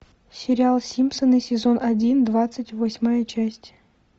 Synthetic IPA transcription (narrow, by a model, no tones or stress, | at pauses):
sʲɪɾʲɪalˠsʲimpsənɨsʲɪzo̞nʔɐdʲind̪vat̪sɨtʲvosʲmajət͡ɕæsʲtʲ